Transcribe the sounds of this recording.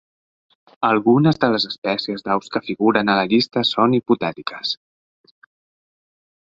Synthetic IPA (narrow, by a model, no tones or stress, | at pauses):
əlˠɣunəzðələzəspɛsiəzðawskəfiɣuɾənələʎist̪əsoniput̪ɛt̪ikə̥s